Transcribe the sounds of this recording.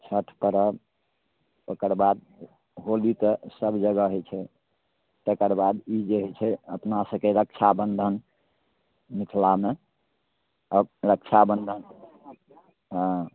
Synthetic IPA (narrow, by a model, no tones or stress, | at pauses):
t͡ʃʰəʈʰpəɾə | okəɾbad̪̚ | ɦolit̪əsəbd͡ʒəɡəɦot͡ʃʰɛ | t̪əkəɾbad̪id͡ʒeɦɛt͡ʃʰɛəpnasəkeɾək̚t͡ʃʰabənd̪ʱən | mikʰlame | əɾəkt͡ʃʰabənd̪ʱən